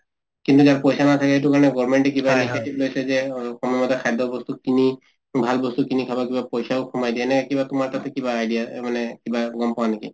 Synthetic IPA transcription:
kintuzaɹpɔjsanatʰakɛɦejtukaɹɔnɛɡɔɹmɛɳʈɛkibaniɡetiplojsɛzɛxɔmmɔtɛkʰajdɔbɔst̪ukini | bʱalbɔstukinikʰabakibapɔjsaʊkʰɔmajdiɛnɛkɛkibatʊmaɹtatɛkibaːjdijamanɛkibaɡɔmpɔwaneki

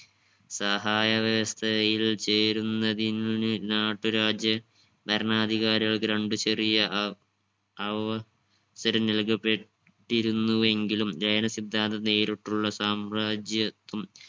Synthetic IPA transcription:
sɐɦaːjɐʋjɐʋɐst̪ʰɐjilt͡ɕe̞ːɾunːɐðinnɨnaːʈːuɾaːd͡ʑjɐ | bɐɾɐɳaːd̪ʱiɣaːɾiɣɐɭɡɾeɳɖut͡ɕe̞rijɐ | ɐʋɐ | sɐɾɐnilkɐpːe̞ | ʈːiɾunːue̞ŋɡilumd͡ʑɐjɐnɐsid̪ʱːaːnd̪ɐneːɾiʈːuɭːɐsaːmɾaːd͡ʑjɐt̪ːum

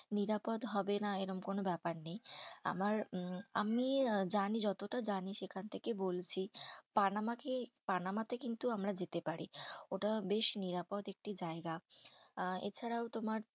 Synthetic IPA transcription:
niɾapod̪ɦɔbenaeɾɔmkonobɛpaɾneja̰maɾa̰mid͡ʑanid͡ʑɔt̪oʈad͡ʑaniʃekʰant̪ʰekebolt͡ɕʰipanamakepanamat̪ekint̪uamɾad͡ʑet̪epaɾioʈabeʃniɾapod̪ek̚ʈid͡ʑaeɡa | ḛt͡ɕʰaɾaot̪omaɾ

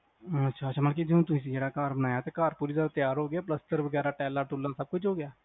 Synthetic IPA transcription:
ɐtːʃʰaɐtːʃʰamɐlkid͡ʒõt̪̬ʊmĩs̬eːɽakaːɾbənaːjat̪ekaːɾpuːɾizaːd̪at̪jaːɾɦoːɡəjaːplɐst̪əɾʋəɡɛːɾaʈɛːlaʈuːlːãsɐb̚kʊt͡ʃɦoːɡjaː

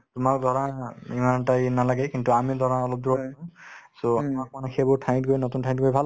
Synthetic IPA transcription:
tumak̚d̪ʱɔɹãimantajnalaɡɛkintuamid̪ʱɔɹãɔlɔp̚d̪uɹɔpaɔ̃soamak̚manakʰebʊɹtʰaj̃t̚ɡojnɔtuntʰaj̃tɡojbʱal

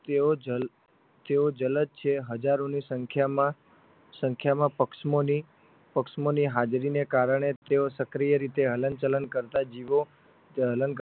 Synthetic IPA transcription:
t̪eod͡ʒəl | t̪eod͡ʒələd̪̚t͡ʃʰeɦəd͡ʒaɾonisəŋkʰjamã | səŋkʰjamãpəkʃmoni | pəkʃmoniɦad͡ʒɾinekaɾəɳ̃et̪eosəkɾijəɾit̪eɦələnt͡ʃələnkəɾt̪ad͡ʒiʋo | ɦələnk

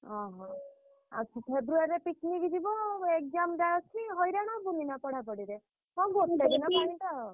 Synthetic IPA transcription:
ɔɦɔ̃ | a̰t͡ʃʰipʰebɾuaɾɾepiknikd͡ʒibɔek̚d͡ʒamdajɔt͡ʃʰiɦɔjɾaɽ̃ɔbuninapɔɽ̤apɔɽiɾe | hɔ̃ɡot̪edinɔpaɽinʈ̪aɔ

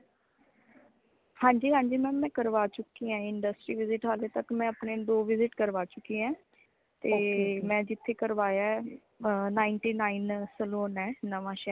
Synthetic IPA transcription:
hãːɲd͡ʒiːɦãːɲd͡ʒiːmɛ̃ːmɛ̃ːkəɾʋaːt͡ʃʊkːiːãːɪɳɖəsʈɾiːʋɪzɪʈɦaːleːt̪əkmɛ̃ːəpneːd̪oːʋɪzɪʈkəɾʋaːt͡ʃʊkːiːɛ̃ː | t̪eːmɛ̃ːd͡ʒɪt̪ʰːeːkəɾʋaːjaɛː | naːɪɳʈiːnaːinsəloːnɛːnəʋãːʃɛː

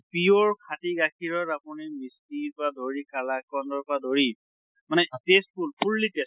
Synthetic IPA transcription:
piɔɹkʰatiɡakʰiɹɔtapunimiskipɹadʱoɹikalakɔndɔɹpadʱoɹi | manɛtes̚pulpuɹlites

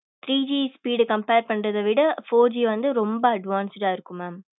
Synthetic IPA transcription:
t̪ɾiːd͡ʒiːspiːɽkɐmpeːɾpɐɳːɾɐðɐʋɪɽɐfoːɾd͡ʒiːʋɐnd̪ɯɾɔmbɐɐɖʋaːnsɪʈaːɪɾɯkːɯmaːm

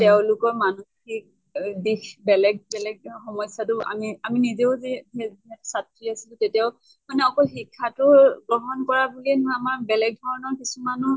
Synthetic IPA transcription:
tɛʊ̃lʊkɔɹmanuxik̚ | dixbɛlɛɡ̚bɛlɛɡ̚xɔmɔjsatʊa̰miaminizeʊzɛɛɛsatʰɹiasilʊ̃tetijaʊ | manɛɔkɔxikʰːatʊɡɹɔɦɔnkɔɹabuliɛnʊamaɹbɛlɛɡ̚dʱɔɹɔnɔɹkisumanɔ

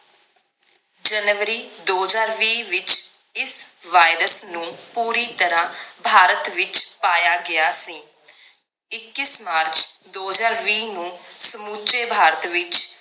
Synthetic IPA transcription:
d͡ʒənʋɾiːd̪oːzaːɾʋiːʋɪt͡ʃ | ɪsʋaːɪɾəsnũːpuːɾiːt̪əɾãːbʱaːɾət̪ʋɪt͡ʃpaːjaːɡɪaːsĩː | ɪkːɪsmaːɾt͡ʃd̪oːzaːɾʋiːnũːsəmuːt͡ʃeːbʱaːɾət̪ʋɪt͡ʃ

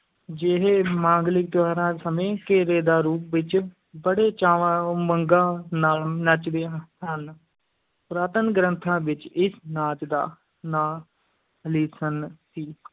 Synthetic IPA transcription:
d͡ʒeɦeːmãːŋɡlɪk̚t̪ʊʋaːɾãːsəmẽːkeːɾeːd̪aːɾuːp̚ʋɪt͡ʃ | bəɽeːt͡ʃaːʋməŋɡãːnaːlnət͡ʃd̪eːən | pɾaːt̪ənɡɾənt̪ʰãːʋɪt͡ʃɪsnaːt͡ʃd̪a̰ː | naː | liːsənsiː

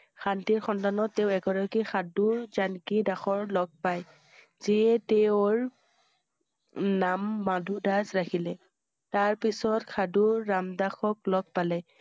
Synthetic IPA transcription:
xantiɹxɔntanɔtːɛʊɛɡɔɹakixʰadʊɹzankidaxɔɹlɔɡ̚paj | z̥iɛtɛʊɹ | namːadʱudazɹakʰilɛ | taɹpisɔtxʰaduɹːamdaxɔk̚lɔɡ̚palɛ

